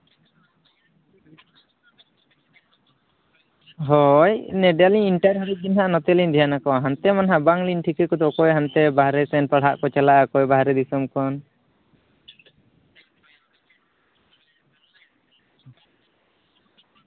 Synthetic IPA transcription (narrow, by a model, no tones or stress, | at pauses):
ɦɔjnɛɖaliiɳʈaɾɦaɾid̪inɦaʔnɔt̪ɛlind̪ijanakɔɦant̪ɛmanɦabaŋlinʈʰikɛkɔd̪ɔkɔjɦant̪ɛbaɦɾɛsɛnpaɽ̤aʔkɔt͡ʃalaʔakɔjbaɦɾɛd̪isɔmkɔn